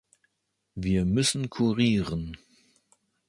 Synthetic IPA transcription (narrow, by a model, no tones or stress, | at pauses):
viːɐmʏsn̩kʰuʁiːʁən